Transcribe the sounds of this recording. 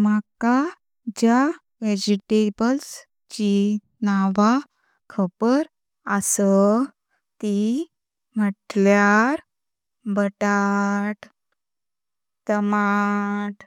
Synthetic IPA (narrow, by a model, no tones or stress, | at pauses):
maka | d͡ʑja | ʋed͡ʑiʈebəls | t͡ɕi | naʋa | kʰəbəɾ | əsə | t̪i | məʈljaɾ | bəʈaʈ | t̪əmaʈ